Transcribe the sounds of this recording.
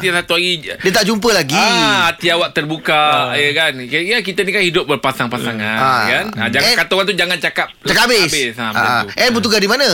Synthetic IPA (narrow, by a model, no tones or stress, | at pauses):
t̪iasat̪uaɡidiət̪aʔd͡ʒumpəlaɡiat̪iawaʔ̚t̪ərbukajəkankajakit̪anikanhidʊp̚bərpasaŋpasaŋaakanad͡ʒaŋakat̪oɣant̪ud͡ʒaŋãnt͡ʃakap̚akabɪsbɪsamʔɛnbut̪uɡasdimãnã